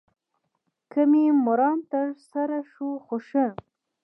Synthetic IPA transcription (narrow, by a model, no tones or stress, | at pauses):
kəmimʊɾɑnt̪əɾsaɾaʂuxoʃə